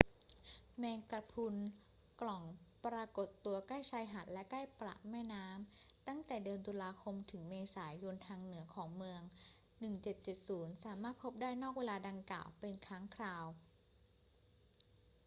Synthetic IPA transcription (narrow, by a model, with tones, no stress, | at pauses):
mɛː˧ŋka˨˧˩pʰu˧n | klɔ˨˩ŋpɾaː˧ko˨˩t̪ːu˧ɐkaː˥˩jt͡ɕʰaː˧jɦa˨˩n̚lɛ˦˥kaː˥˩jpɾa̰˨˩ʔmɛː˥˩jnaː˦˥mt̪a˥˩ŋt̪ɛː˨˩dɯː˧ənt̪u˧laː˧kʰo˧mt̪ʰɯ˩˦ŋmeː˧saː˩˦jo˧nt̪ʰaː˧ŋnɯ˩˦ɐkʰɔː˩˦ŋmɯ˧əŋ | nɯ˨˩ŋt͡ɕe˨˩t̪̚t͡ɕe˨˩t̪̚suː˩˦nsaː˩˦maː˥˩t̪̚pʰo˦˥p̚daː˥˩jnɔː˥˩k̚weː˧laː˧da˧ŋkla̰ː˨˩wpe˧nkʰaː˦˥ŋkʰɾaː˧w